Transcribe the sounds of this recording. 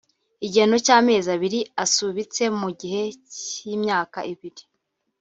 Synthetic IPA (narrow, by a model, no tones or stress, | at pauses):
iɟeno̞caːme̞ːzaβiɾiasuβit͡se̞muɟiɦe̞ciːmɲaːkaʔiβiɾi